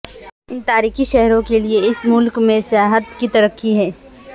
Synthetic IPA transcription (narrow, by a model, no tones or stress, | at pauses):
ɪnt̪aːɾiːxiʃɛɦɾõkelieɪsmʊlkmẽsjaːɦət̪kit̪ɐɾəkːiɦɛː